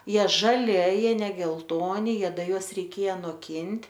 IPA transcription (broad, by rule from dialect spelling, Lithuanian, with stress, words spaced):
ˈjiɛ ʒɐˈlʲɪ ɐ ˈjiɛ nʲɛ ɡʲɛlˠˈtoːnʲɪ ˈjiɛ ˈdɐ ˈjuɔs rʲɛɪˈkʲeːjɛ noːˈkʲɪnʲtʲ